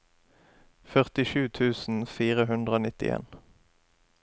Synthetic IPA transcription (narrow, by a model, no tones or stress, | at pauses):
fœʁt̪ɪʃʉːt̪ʰʉːsn̩fiːʁəɦʉnd̪ʁəoːnɪt̪ɪ̰ḛːn